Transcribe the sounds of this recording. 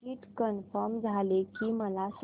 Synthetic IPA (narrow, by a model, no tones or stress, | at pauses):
iʈkənfəɾmd͡zʱalekiməlas